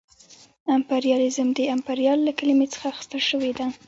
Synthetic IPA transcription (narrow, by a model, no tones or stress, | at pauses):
ampaɾjɑlɪzəmd̪əampaɾjɑlːakəlimet͡sə̥xaːxɪ̥st̪əlʃəwed̪a